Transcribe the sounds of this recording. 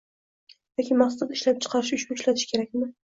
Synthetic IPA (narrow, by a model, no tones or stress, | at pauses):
j̪ɒkʲɪmmɑχsasat̪ɪʃlap̚t͡ʃʰɨ̥qʰɑɾɪʃʊt͡ʃbokʃlat̪ʰɪ̥ʃkʰʲe̞ɾak̚ʲmɪ